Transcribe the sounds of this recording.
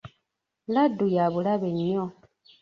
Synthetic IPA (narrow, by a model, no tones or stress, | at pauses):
ladujaβulaβeɲːo